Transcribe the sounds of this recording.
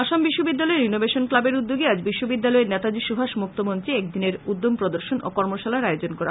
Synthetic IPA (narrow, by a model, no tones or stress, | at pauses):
aʃambiʃːobid̪ːalɔeɾinobeʃonklabeɾud̪ːoɡiad͡ʑbiʃːobid̪ːalɔenɛt̪ad͡ʑiʃubʱaʃmuk̚t̪ʰomont̪ɾiɛk̚d̪ineɾud̪ːompɾod̪oɾʃono̰kɔɾmoʃalaɾaeod͡ʑonkɔɾa̰ɦ